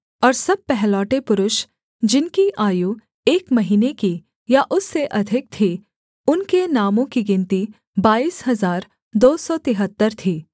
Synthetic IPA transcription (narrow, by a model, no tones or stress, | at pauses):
ɔːɾsɐb̚pɛɦlɔːʈepʊɾʊʃ | d͡ʒɪnkiʔaːju | eːkmɐɦiːneki | jaʔʊsːeʔɐd̪ʱɪk̚t̪ʰi | ʊnkenaːmõkiɡɪ̃nt̪i | baːiːshɐzaːɾ | d̪oːsɔt̪ɪɦət̪ːəɾt̪ʰiː